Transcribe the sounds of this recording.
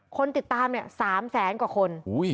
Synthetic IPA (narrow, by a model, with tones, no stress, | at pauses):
kʰo˧nt̪i˨˩t̪ːaː˧mni˥˩ɐsaː˩˦msɛː˩˦nkwaː˨˩kʰo˧nuː˦˥j